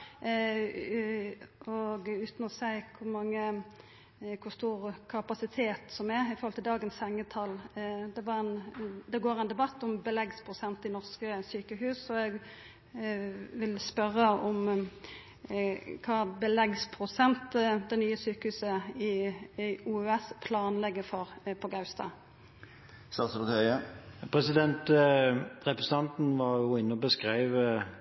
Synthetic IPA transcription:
ɔɡʉːt̪nɔsæɪkʰʊmɑŋːə | kʰʊst̪uːɾkʰɑpɑsɪt̪ʰeːt̪sɔmɛɾɪfɔɾhɔlt̪ɪld̪ɑːɡənshɛŋːət̪ʰɑld̪ɛʋɑʁɛnd̪ɛɡoːɾɛnd̪ɛbɑt̪ːɔmbəlɛɡspʰʁʊsɛnt̪ɪnɔʁskəsyːkəɦʉːsɔɛɡ | ʋɪlspœʁəɔm | kʰɑːbəlɛɡspʰɾʊsɛnt̪d̪ɛnyːəsyːkəhʉːsəɪ | uːøɛspʰlɑːnlɛɡːəfɔʁpʰɔɡɑʉst̪ʰɑ̰ː | st̪ɑsəpɑt̪ʰɑəpʰʁɛsɪd̪ɛnt̪ | ʁɛpɾəsɑnt̪n̩ʋɑʁjʊɪnːəɔbəskʁæɪʋ

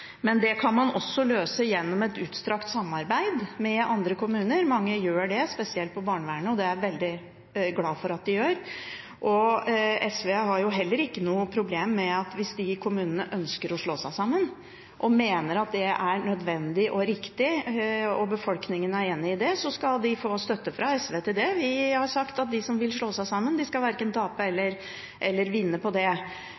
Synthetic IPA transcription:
mɛnd̪ɛkʰɑnmɑnɔsːɔløːsəjɛnːɔmɛt̪ʉːt̪st̪ɾɑkt̪sɑmːɑɾbæɪd̪mɛɑnd̪ɾəkʰʊmʉːnəɾmɑŋːəjøːɖɛspɛsɪɛlt̪̚pʰɔbɑːɳəʋæːɳəɔd̪ɛæɾʋɛld̪ɪ | ɡlɑːfɔɾɑt̪̚d̪ɪjøːɾ | ʔɔɛsʋeɦɑɾjʊɦɛlːəɾɪkːənuːəpʰɾʊbleːmːɛɑt̪ʋɪsd̪ɪkʰʊmʉːnənəʔœnskəɾɔʂɭoːsæɪsɑmːən | ʔɔmeːnəɾɑt̪̚d̪ɛʔæɾɳœd̪ʋɛnd̪ɪʔɔɾɪkt̪ɪ | ɔbəfɔlknɪŋənæɾeːnːɪɪd̪ɛsɔskɑld̪ɪfoːst̪œt̪ːəfɾɑɛsʋeːt̪ɪld̪ɛʋɪhɑɾʂɑkt̪ɑt̪̚d̪ɪsɔmʋɪlʂɭoːsæɪsɑmːənd̪ɪskɑlʋæɾkənt̪ʰɑːpəɛlːəɾ | ʔɛlːəɾʋɪnːəpɔd̪ɛ

